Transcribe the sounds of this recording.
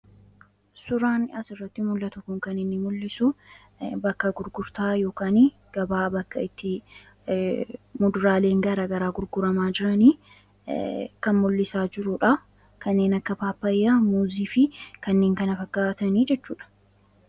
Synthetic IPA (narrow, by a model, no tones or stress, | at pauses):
sʊɾaːnɪʔɐsɪrːɐt̪ːɪmʊlːɐt̪ʊkːʊŋkɐnɪnːɪmʊlːɪsʊ | bɐkːɐɡʊɾɡʊɾt̪aːjo̞ːkaːnɪ | ɡ̥ɐbaːbɐkːɐɪt̪ːɪ | mʊd̪ʊɾaːle̞ːŋɡɐɾɐɡɐɾaːɡʊɾɡʊɾɐmaːd͡ʒɪɾɐniː | kɐnmʊlːɪsaːd͡ʒɪɾʊᶑɐ | kɐnːe̞ːnɐkːɐpaːpːɐjːaːmuːziːfɪkɐnːeːŋkɐnɐfɐkːaːt̪ɐniːd͡ʒɛt͡ʃːuːᶑɐ̥